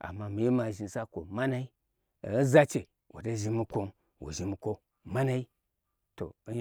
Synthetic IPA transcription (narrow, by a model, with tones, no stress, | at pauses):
a̰˨mːa˨mi˨je˦ma˨ʒi˨sa˦kʷo̰˨ma˦na˦i˦˨˦ | za˦t͡ʃe˨ | wʔo̰˨da˦ʒi˦mu˦ko˦n | wo̰˨ʒi˨mu˨ko˦ | ma˦na˦i˦ | to̰˨˦